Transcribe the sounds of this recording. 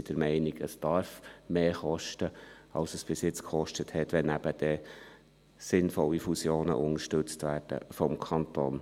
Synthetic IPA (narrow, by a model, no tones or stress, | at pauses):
d̥əɾmɛɪniɡəsd̥ɑɾfmeːxɔʃtəɑlsəsb̥ɪsjɪt͡skʰχɔʃtəthɛtʋɛnæb̥əd̥ɛ | sɪnfɔlːifusjoːnə̰ʔʊnəʃtɵt͡stʋæːrd̥ə̰fɔmkʰɑntoːn